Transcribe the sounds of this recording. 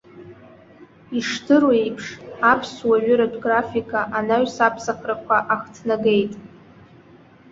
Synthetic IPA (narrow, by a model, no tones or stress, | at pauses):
iʂtʰɨɾwejpʰʂapʰswaɥʏɾadʷʼɡrafikʰʼaʔanaɥsapʰsaχʰrakʷʰaʔaχtʰnaɡe̞jtʼ